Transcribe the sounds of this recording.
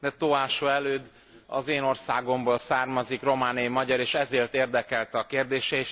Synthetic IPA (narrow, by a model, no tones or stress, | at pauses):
d̪ɛt̪oaːʃoːɛløːd̪ː | ɒ̰zeːno̞rsaːɡo̞mboːlsaːrmɒzikro̞maːnijimɒɟɒɾeːʃɛzeːrt̪eːrd̪ɛkɛlt̪ɛɒkeːrd̪eːʃɛeːʃ